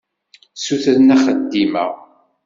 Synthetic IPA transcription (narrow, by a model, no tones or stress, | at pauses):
suθɾənæχəd̪ːimæ̰